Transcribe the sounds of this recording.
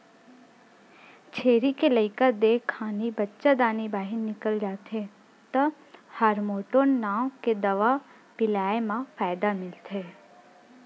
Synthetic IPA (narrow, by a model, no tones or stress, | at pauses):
t͡ʃʰeːɾikeləɪkəd̪eːkʰːaːnibətːʃad̪aːnibaːɦɪnːɪkəld͡ʒaːt̪ʰe | t̪ɐ | həɾmoːʈoːnːaːwked̪ɐʋa | pɪlaːemãfaːjd̪amɪlt̪ʰeː